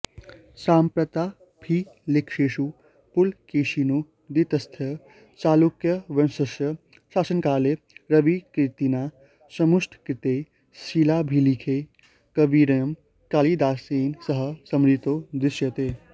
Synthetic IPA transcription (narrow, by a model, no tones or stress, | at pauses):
saːmpɾɐt̪aː | bʱilɪkʂeːʃu | pʊlkeːʃinu | d̪it̪ɐst̪ʰjɐ | t͡ʃaːlukjɐʋɐnsɐʃjɐ | ʃaːsənkaːle | ɾɐbikɾɪt̪inaː | sɐmusʈʰkɾɪt̪eː | silaːbʱilikʰe | kɐbiːɾɐjɐm | kaːliːd̪aːsiːnsɐɦə̆sɐmɾit̪oːd̪ɾɪʃjɐt̪eː